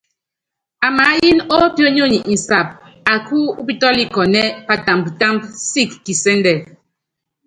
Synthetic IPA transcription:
a˨ma˨˦ji˦nɔ˦pjo˦ɲo˦˨ɲi˨ʔn̩˨sa˨p̚ | a˨ku˦u˦pi˦tɔ˦li˦kɔ˨nɛ˦pa˨ta˨mbu˨ta˦mbsi˦kːi˨sɛ˦ndɛ˨

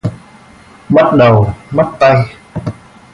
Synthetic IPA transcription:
ɓa˦˥t̚ɗə˨˩wɓa˦˥t̚t̪a˧j

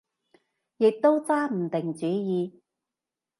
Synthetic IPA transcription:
jɪ˨k̚t̪o˥wt͡saː˥m̩˨˩t̪ɪ˨˩ŋt͡syː˨˥jiː˨˧

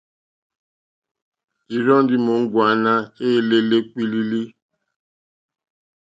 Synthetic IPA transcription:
i˨ɾɔ˦n˦di˦mo˨˦ŋ̩˦ɡwa˨˦na˦e˦˨le˦le˦k͡pi˦li˦li˦

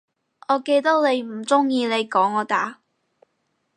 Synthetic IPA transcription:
ɔː˨˧ke˧jt̪ɐ˥wne˨˧jm̩˨˩t͡sʊ˥ŋjiː˧ne˨˧jkɔː˨˥ŋɔː˨˧t̪aː˨˥

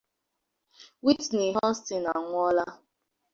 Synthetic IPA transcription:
wi˦tne˨ɦɔ̃˦n̩˦stɪ˨na˨ŋʷʊ˦ɔ˦la˦

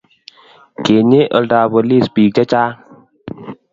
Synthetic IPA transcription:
ke˨ɲe˦ʔə̰˨lda˨bə˨li˦˨spi˨k̚d͡ʒa˦t͡ʃa˦

